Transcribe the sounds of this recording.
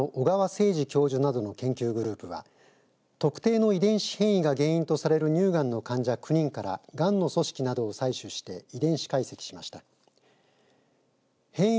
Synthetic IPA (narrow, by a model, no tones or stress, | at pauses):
oʔoɡaβase̞ːʑikʲo̞ːʑɨnad̪o̞no̞kẽ̞ŋkʲɨːɡɯ̟ɾɯ̟ːpɯ̟βa̰ | t̪o̞kɯ̟̥t̪e̞ːno̞id̪ẽ̞ɰ̃ɕi̥hẽ̞ɰ̃iɡaɡẽ̞ɰ̃ĩnt̪o̞saɾe̞ɾɯ̟ɲ̟ɨːɡãnːo̞kãɲ̟d͡ʑakɯ̟ɲ̟ĩŋkaɾa̰ɡãnːo̞so̞ɕi̥kʲinad̪o̞ːsaiɕɨɕi̥t̪e̞id̪ẽ̞ɰ̃ɕi̥kaise̞kʲi̥ɕimaɕi̥t̪a | hẽ̞ɰ̃